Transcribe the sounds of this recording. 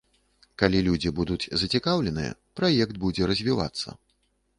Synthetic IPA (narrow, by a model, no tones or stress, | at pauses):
kalʲilʲud͡zʲibud̪ud͡zʲzɐt͡sʲikawlʲɛnɨ̰jɛ̰pɾajɛkt̪̚bud͡zʲɛɾɐzʲvʲiva̰t̪sːɐ̰